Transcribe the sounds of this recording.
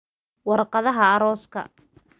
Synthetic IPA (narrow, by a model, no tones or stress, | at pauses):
wɑrqɑðɐɦɐːɾɔːskʰɐ̰